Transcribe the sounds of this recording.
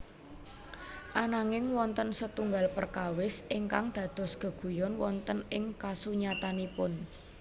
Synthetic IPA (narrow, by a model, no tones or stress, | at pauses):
ʔanaŋɪŋwɔnt̪ənsət̪uŋɡalpərkawɪsʔɪŋkaŋd̪̥ä̤d̪̥ɔ̤sɡ̥ə̤ɡ̥ṳjɔnwɔnt̪ənɪŋkasuɲat̪anipʊn